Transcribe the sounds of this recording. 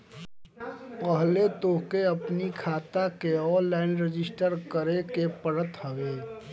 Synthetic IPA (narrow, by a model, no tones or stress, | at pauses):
pəɦlet̪oːkeɐpnikʰaːt̪akeɔːɾlaɪnɾɪd͡ʒɪsʈəɾkəɾekepəɽət̪həɡeː